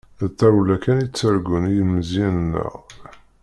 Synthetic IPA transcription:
θæwlækænit͡sːəɾɡunijməzinːə̰ʁ

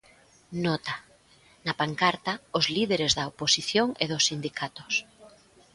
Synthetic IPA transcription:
nɔt̪a | napaŋkaɾt̪aozliðeɾezðɐoposiθjoŋeðosːind̪ikʰat̪o̥s

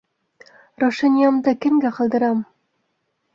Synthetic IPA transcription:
ɾoʃɑnʲijɑmd̪ɤkɘ̆mɡæqɑ̆lˠd̪ɤ̆ɾɑm

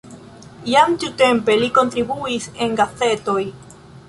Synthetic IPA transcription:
jamt̪iute̞mpe̞liko̞ntɾibuise̞ŋɡaθe̞to̞j

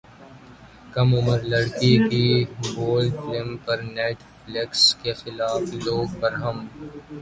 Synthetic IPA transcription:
kɐmʊməɾlɐɽkikiboːlɖfɪlɪmpɐɾnɛːʈ | flɪkskexɪlaːfloːɡpɐɾɦɐm

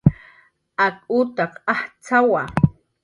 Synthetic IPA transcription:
akʼʊt̪ɑqaht͡sawa

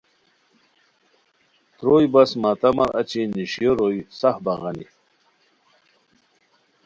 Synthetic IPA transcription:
t̪ɾojbasmat̪ɐmaɾʔa̰t͡ɕiniɕjoɾojsahbaɣanḭ

